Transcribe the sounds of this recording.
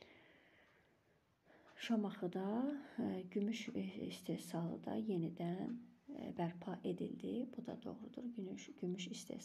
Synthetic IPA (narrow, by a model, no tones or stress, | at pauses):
ʃɑmɑχɯd̪ɑ | ɟymyʃist̪ʰe̞sɑlˠɯ̰d̪ɑ̰je̞nid̪ænbæɾpʰɑʔe̞d̪ḭld̪ibud̪ɑ̰d̪o̞̰ɣɾud̪uɾɟymyʃist̪ʰḛ